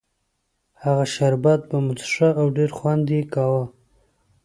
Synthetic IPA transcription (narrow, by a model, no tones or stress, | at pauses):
haɣaʃaɾbat̪̚bamʊt͡sʂəawɖeɾxwand̪ikɑwa